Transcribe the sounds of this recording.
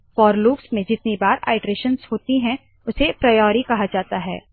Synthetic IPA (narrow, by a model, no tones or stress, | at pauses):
fɔːɾluːksmẽd͡ʒɪt̪nibaːɾa̰ːɪʈɾeːʃə̃nshoːt̪iɦɛ̃ | ʊsepɾɐjɔːɾikɐɦad͡ʒaːt̪aɦɛ̰ː